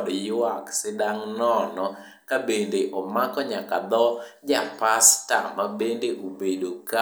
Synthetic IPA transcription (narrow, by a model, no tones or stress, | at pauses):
djwaksɪdaŋnɔnɔ | kabendeʔɔmakɔɲakad̪ɔd͡ʒapastamabendeʔobedoka